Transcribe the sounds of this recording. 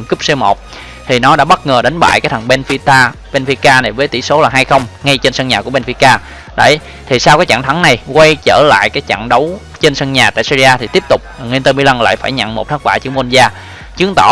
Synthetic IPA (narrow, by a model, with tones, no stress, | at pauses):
kɨ˦˥p̚se˧mo˨˩t̚ | t̪ʰi˨˩nɔ˨˦ɗa̰ː˧˥ɓə˦˥t̚ŋəː˨˩ɗa˨˦ŋ̟ɓa̰ː˧˨jkaː˦j̚t̪ʰə˨˩ŋɓɛ˧nfi˧t̪aː˧ɓɛ˧nfi˧kaː˧na˨˩jvəː˨˦jt̪ḭ˧˩so˨˦laː˨˩ɦaː˧jxə˧wŋ͡mŋa˧jt͡ɕe˧nsə˧ŋɲaː˨˩ku˧˩əɓɛ˧nfi˧kaː˧ | ɗə̰˧˩˨j | t̪ʰi˨˩saː˧wkaː˨˦jt͡ɕa̰˧˨ŋt̪ʰa˨˦ŋna˨˩jkwa˧jt͡ɕəː˧˩la̰ː˧˨jkaː˨˦jt͡ɕa̰ː˧˨ŋɗə˨˦w | t͡ɕe˧nsə˧ŋɲaː˨˩t̪a̰ː˧˨jsi˧zi˧aː˧t̪ʰi˨˩t̪i˦˥əp̚t̪ʊ˨˩k͡p̚a˨˩ŋwi˧nt̪əː˧mi˧la˧ŋla̰ː˧˨jfaː˧˩jɲə̰˧˨nmo˨˩t̚t̪ʰa˦˥k̚ɓaː˧˩t͡ɕɨ˨˦əŋmo˧nzaː˧ | t͡ɕɨ˨˦əŋt̪ɔ̰˧˩